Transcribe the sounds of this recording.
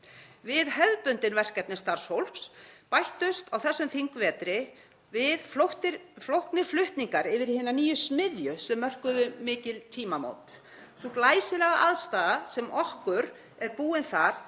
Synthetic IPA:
vɪðɦɛðpʏnt̪ɪnvɛr̥kɛt̪nɪst̪aɾ̥showl̥pspajht̪ʏst̪awθɛsːʏmθiŋkvɛːt̪ɾɪ | vɪðfloht̪ɪɾflowhk̪nɪ̥flʏht̪niŋkaɾɪvɪɾ̥hɪnːaniːjʏsmɪðjʏsɛmːœr̥kʏðʏmɪːcɪlt̪ʰiːmamo̰wt̪ | sɔklaːjsɪlɛɣaʔaðst̪aːðasɛmʔɔhkʏɾ | ɛɾpuːɪnθaɾ̥

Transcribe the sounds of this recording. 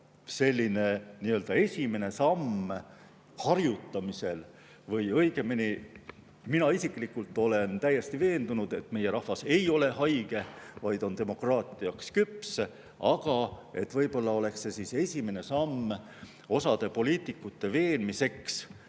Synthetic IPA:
se̞lʲːine̞niːø̞ld̪̥ɑe̞sʲime̞ne̞sɑmː | hɑrjut̪ːɑmise̞l | vɤjɤ̞jɡ̥e̞mini | minɑisikˑlikːˑult̪ːˑo̞le̞nt̪æjːe̞st̪ive̞ːnd̪̥unud̪̥e̞t̪ːˑme̞jeɾɑhvɑse̞jo̞le̞ɦɑjɡ̥e̞vɑjd̪o̞nt̪e̞mo̞krɑːt̪ˑiɑkskyps | ɑɡ̥ɑe̞t̪ːˑvɤjbo̞lːɑo̞le̞ksːe̞siːse̞sʲime̞ne̞sɑmː | o̞sɑd̪̥e̞po̞lʲiːt̪ːˑikːˑut̪ːe̞ve̞ːnmise̞ks

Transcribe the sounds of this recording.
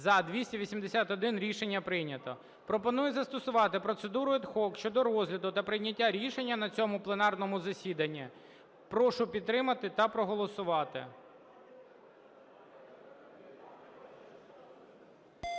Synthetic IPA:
zɐd̪ʋʲisʲtʲɛʋʲisʲimd̪esʲat̪ɔd̪ɪnɾʲiʃe̞nʲːɐpɾɪjnʲɐt̪ɔ̰ | pɾɔpɔnujɛzɐst̪ɔsʊʋɑt̪ɪpɾɔt̪sed̪uɾʊɛd̪xɔkʃt͡ʃɔd̪ɔɾɔzʲlʲɐd̪ʊt̪ɐpɾɪjnʲɐtʲːaɾʲiʃe̞nʲːɐnɐt͡sʲɔmʊplˠenɑrnɔmʊzɐsʲid̪ɐnʲːi | pɾɔʃʊpʲid̪ːɾɪmɐt̪ɪt̪ɐpɾɔɦɔlˠɔsʊʋɑt̪ɪ̰

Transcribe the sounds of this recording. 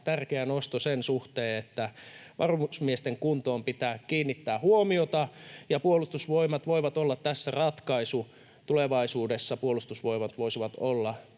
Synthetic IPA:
t̪ærkeænost̪osensuht̪eːet̪ːæʋʔɑrmusmiest̪eŋkunt̪oːmpit̪æːkkiːnːit̪ːæːhuomiot̪ɑjɑpuolust̪usʋoimɑt̪ʋoiʋɑt̪olːɑt̪t̪æsːærɑt̪kɑisu | t̪uleʋɑisuːdesːɑpuolust̪usʋoimɑt̪ʋoisiʋɑt̪olːɑ

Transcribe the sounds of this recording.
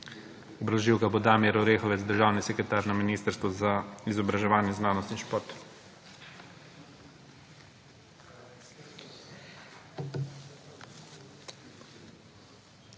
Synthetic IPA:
ɔbɾɔʒiwkabod̪aːmiɛɾɔɾeːxɔʋɛzd̪əɾʒaːwnisɛkɾɛt̪aːɾnaminiːst̪əɾst̪ʋɔzaizɔbɾaʒɛʋaːnjɛznaːnɔst̪inʃpoɾt̪

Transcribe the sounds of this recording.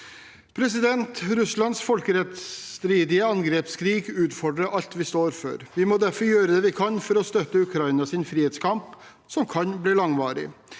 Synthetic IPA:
pʰɾɛs̬ɪd̪ɛnt̪ɾʉslɑnsfɔlkəɾɛt̪st̪ɾiːd̪ɪəɑŋɡɾeːpskʰɾiːɡʉːt̪fɔɖɾəʔɑʎt̪ʋɪst̪oːɾfœ̰ɾʋɪmod̪æɾfɔɾjøːɾəd̪ɛːʋɪkʰɑnfɔɾɔst̪œt̪ːəʉkʰɾɑɪnɑsɪnfɾiːheːt̪skʰɑmp | sɔmkʰɑnbliːlɑŋʋɑːɾɪ̰

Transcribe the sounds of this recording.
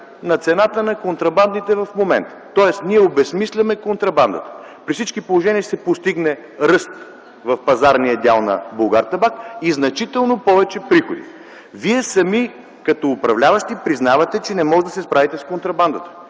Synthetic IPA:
nɐt̪sɛnat̪ənɐkont̪ɾɐband̪nit̪ɛvɐfmomɛ̰nt̪ə̥t̪ːɔɛst̪niɛobɛsmislʲɛmɛkont̪ɾɐband̪ə̰t̪ə̥ | pɾifsit͡ʃkipolˠoʒɛniəsɛpost̪iɡnɛ | ɾɤst̪ | vɐfpɐzaɾnijəd̪ʲalˠnɐ̰bolˠɡaɾt̪ɐbakiznɐt͡ʃit̪ɛlˠnopɔvɛt͡ʃɛpɾixod̪ḭ | viɛsɐmi | kɐt̪ɔːpɾɐvlʲavɐʃt̪ipɾiznavɐt̪ɛt͡ʃɛnɛmɔʒd̪ɐsɛspɾavit̪ɛskont̪ɾɐband̪ət̪ə̥

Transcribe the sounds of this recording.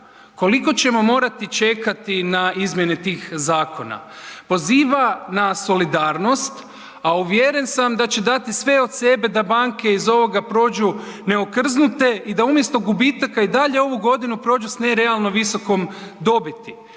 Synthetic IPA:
ko̞liko̞t͡ɕe̞mo̞mo̞ːɾat̪it͡ʃe̞kat̪inaizmje̞net̪iːxzaːko̞na̰po̞ziːʋanaso̞lid̪aːɾno̞st̪ | auʋjeɾe̞nsamd̪at͡ɕe̞d̪at̪isʋe̞o̞d̪se̞be̞d̪abaŋke̞izo̞ʋo̞ɡapɾo̞ːd͡ʒu | ne̞okr̩znut̪e̞ʔid̪aumje̞st̪o̞ɡubit̪akaid̪aʎeo̞ʋuɡo̞d̪inupɾo̞ːd͡ʒusneɾe̞alˠno̞ʋiso̞ko̞md̪o̞bit̪i

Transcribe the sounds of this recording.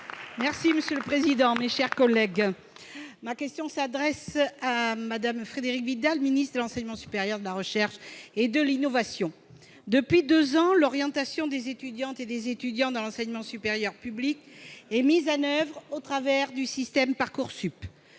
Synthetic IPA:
mɛʁsiməsjøləpχezid̪ɑ̃meʃɛʁkɔlɛɡ | makʲɛst̪jɔ̃sad̪ʁɛsamad̪amfχed̪eʁikvid̪alminist̪χd̪əlɑ̃sɛɲəmɑ̃sy̥peʁjœʁd̪əlaʁəʃɛʁʃed̪əlinɔvasjɔ̃ | d̪əpɥid̪øzɑ̃lɔʁjɑ̃t̪asjɔ̃d̪ezet̪yd̪jɑ̃t̪ed̪ezet̪yd̪jɑ̃d̪ɑ̃lɑ̃sɛɲmɑ̃sypeʁjœʁpyblikemizɑ̃nœvʁot̪χavɛʁd̪ysist̪ɛmpaʁkuʁsyp

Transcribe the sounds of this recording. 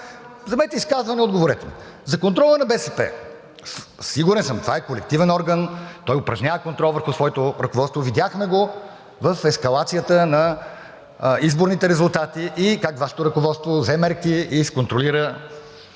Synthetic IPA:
zɐmɛɛt̪ɛiskazvɐnɛod̪̚ɡovoɾɛt̪ɛn | zɐkont̪ɾɔlˠənɐbɛsɛpɛ̰ | ssiɡuɾɛnsəmt̪ovaɛkolɛk̚t̪ivɛnɔɾɡənt̪ɔjʊpɾɐʒnʲavəkont̪ɾɔlˠvəɾxusvɔjɛt̪oɾɐkovɔt̪st̪vovid̪jaxmɛɡo | vəfɛskɐlˠat̪sijət̪ənɐ | izboɾnit̪ɛɾɛzʊlˠt̪at̪iʔikakvaʃɛ̥t̪oɾɐkovɔt̪st̪vozɛmɛɾkiisɛ̥kont̪ɾoliɾə

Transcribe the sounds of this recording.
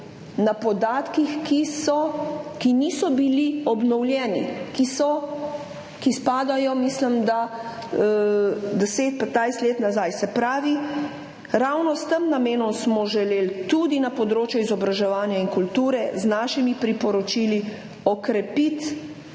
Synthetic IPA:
napɔd̪aːt̪kixkisɔkiniːsɔbiliɔbnɔwljɛːnḭkisɔ | kispaːd̪ajɔmislimd̪a | d̪ɛseːt̪̚pad̪najst̪leːt̪nazajsɛpɾaːʋi | ɾawnɔst̪əmnameːnɔmsmɔʒɛleːlt̪ud̪inapɔd̪ɾoːt͡ʃjuizɔbɾaʒɛʋaːnjaiŋkult̪uːɾɛznaːʃimipɾipɔɾɔt͡ʃili | ɔkɾɛpit̪

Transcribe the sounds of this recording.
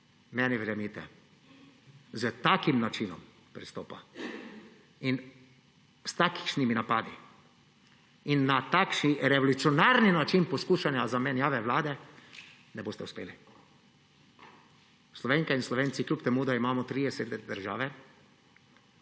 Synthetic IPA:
mɛniʋɾɛmit̪ɛ̰ | zət̪akimnat͡ʃinɔ̰m | pɾist̪oːpa | in | st̪aːki̥ʃniminapaːd̪i | inːat̪akʃniɾɛʋɔlut̪siɔnaːɾninat͡ʃinpɔskuːʃanjazamɛnjaːʋɛʋlaːd̪ɛ | nɛboːst̪ɛuspḛːli | slɔʋeːŋkainslɔʋeːnt̪siklʲjupt̪ɛmuːd̪aimaːmɔt̪ɾiːd̪ɛsed̪ɛd̪əɾʒaːʋɛ

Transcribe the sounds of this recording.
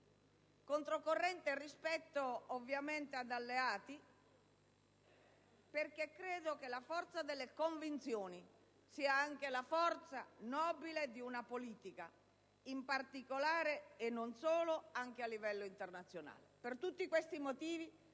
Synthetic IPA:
kont̪ɾokorːɛnt̪erːispɛt̪ːoovːjament̪ead̪alːeaːt̪i | perk̟ekːɾeːd̪okelafɔrt̪sad̪elːekoɱvint̪sjoːni | siːaaŋk̟elafɔrt̪sanɔːbiled̪iunapoliːt̪ika | impart̪ikolaːɾeːnːonsoːloaŋk̟ealːivɛlːoint̪ernat̪sːjona̰ːlepert̪ut̪ːikwest̪imot̪iːvi

